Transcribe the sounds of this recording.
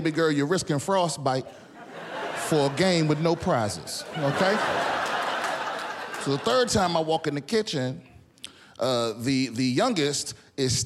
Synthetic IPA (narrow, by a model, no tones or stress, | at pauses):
bɨɡɜ˞lˠjə˞ɹɪskɨ̃nfɹɔsb̥aɪt̚ | fə˞əɡẽɪ̃mwɨðnoʊpʰɹ̥aɪzɪ̰z̥oʊkʰeɪ | soʊðəθɜ˞d̚tʰãɪ̃maɪwɔkɨ̃nðɨkʰɪt͡ʃɨ̃n | ʔʌðɨðɨjʌ̃ŋɡɨst | ɪz̥s